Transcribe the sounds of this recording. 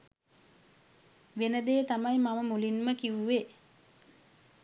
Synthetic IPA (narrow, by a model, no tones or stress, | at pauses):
ʋenəd̪eːt̪amajmaməmulinməkiʋuʋe